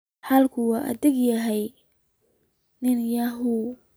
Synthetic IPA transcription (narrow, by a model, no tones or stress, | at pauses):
ħalkʰʊwɑːʔɐ̰ðɪɡjɐɦɛj | nɪnjaɦu